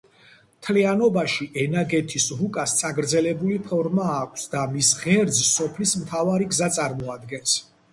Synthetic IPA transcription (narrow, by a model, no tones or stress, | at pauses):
mt̪ʰlianɔbaʃiʔɛnaɡɛt̪ʰisɾukʼast̪sʰʼaɡɾd̪zɛlɛbulipʰɔɾmaːkʷʰsd̪amisʁɛɾd̪zsɔpʰlismt̪ʰavaɾiɡzat̪sʼaɾmɔad̪ɡɛns